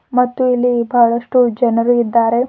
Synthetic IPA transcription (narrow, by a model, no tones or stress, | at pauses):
mɐt̪ːuilːibɐɐɭɐʂʈud͡ʒɐnɐɾuid̪ːaːɾe̞